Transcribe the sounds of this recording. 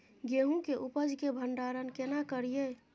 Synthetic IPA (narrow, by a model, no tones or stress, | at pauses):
ɡeɦũkeʔupəd͡ʒʱkebʱəɳɖaɾənkenakəɾije